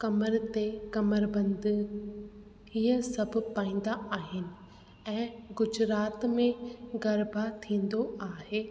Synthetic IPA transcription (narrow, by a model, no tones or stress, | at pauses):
kɐməɾt̪ekɐməɾbɐ̃nd̪̆ | iəsɐbʱʊ̆paːĩːn̆d̪aaːɦɪnɪ̆ | ɛ̃ːɡʊd͡ʑɾaːt̪mẽɡɐɾbʱat̪ʰĩːn̆d̪oaːɦeː